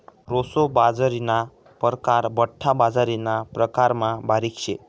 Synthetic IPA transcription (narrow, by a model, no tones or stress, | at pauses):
ɾosobad͡zaɾina | pəɾkaɾbəʈʰːabad͡zaɾinapɾəkaɾmãbaɾikʃe